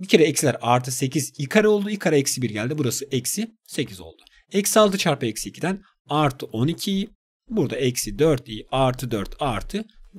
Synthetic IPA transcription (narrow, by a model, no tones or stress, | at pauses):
bicʰe̞ɾɛɛcsilʲæɾaɾt̪ʰɯse̞cʰizikʰaɾao̞lˠd̪uikʰaɾaɛcsibiɾɟælʲd̪ibuɾasɯɛcsi | se̞cʰizo̞̰lˠd̪̥u | ɛcsialˠt̪ɯt͡ʃʰaɾpɯɛcsicʰid̪æn | aɾt̪ʰɯʔo̞nicʰi | buɾd̪aʔɛcsid̪øɾt̪ʰijaɾt̪ʰɯd̪øɾt̪ʰaɾt̪ʰɯ